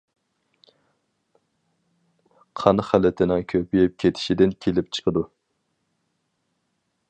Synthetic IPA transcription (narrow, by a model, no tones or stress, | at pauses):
qʰɑnχælɪt̪ʰɪnɪŋkʲʰøpʰijɪp̚kʲʰet̪ʰɪ̥ʃid̪ɪnkʲʰelɪp̚t͡ʃʰə̥qʰəd̪u